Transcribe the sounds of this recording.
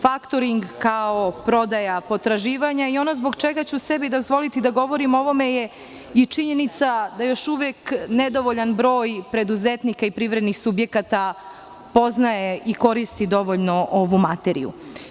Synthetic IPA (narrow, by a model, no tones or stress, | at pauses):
fakt̪oɾiŋɡkao̞pɾo̞d̪ajapo̞t̪ɾaʒiːʋaɲaio̞nozbo̞ɡt͡ʃeɡat͡ɕusebid̪o̞zʋo̞lit̪id̪aɡo̞ʋo̞ɾimo̞ʋo̞me̞je̞ | it͡ʃiɲe̞nit̪sad̪ajo̞ʃuʋekned̪o̞ʋo̞ʎanbɾo̞ːjpɾe̞d̪uzet̪nikaipɾiʋɾed̪nixsubje̞kat̪a | po̞znajeʔiko̞ɾist̪id̪o̞ʋoʎno̞ʔo̞ʋumat̪eɾḭjṵ